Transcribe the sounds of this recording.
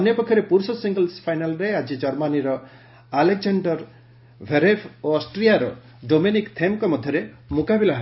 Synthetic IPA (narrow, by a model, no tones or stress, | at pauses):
d̪ʱɔnjɔpɔkʰːjɔɾepuɾsɔsiŋɡəlspʰajnalɾead͡ʒid͡ʒɔɾmaniɾɔ | aleɡd͡ʒaɳɖɔɾ | bʱeɾepʰoɔsʈɾijaɾɔ | ɖominikt̪ʰemkɔmɔd̪ʱjɔɾe | mukabilaɦ